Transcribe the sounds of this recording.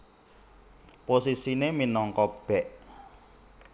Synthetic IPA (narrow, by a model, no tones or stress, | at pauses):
posisineminɔŋkɔb̥ɛʔ